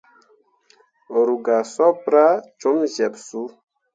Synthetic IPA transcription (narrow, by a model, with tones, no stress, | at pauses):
ɾu˨ɡa˨sɔ˦pɾa˦t͡ʃo˦mʒɛ˨psu˦